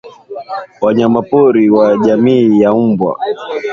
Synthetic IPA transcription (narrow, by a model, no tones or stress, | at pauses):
waɲamapɔɾiwaʄamiːjaubwa̰